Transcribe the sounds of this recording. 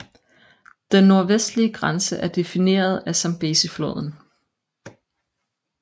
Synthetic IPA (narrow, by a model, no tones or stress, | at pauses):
d̥enːo̝ɐʋesd̥liəɡ̥ʁansəʔæɐd̥e̝fine̝̰ːɐð̞ˠæsɑmb̥e̝̰ːsiflo̰ːð̞ˠn̩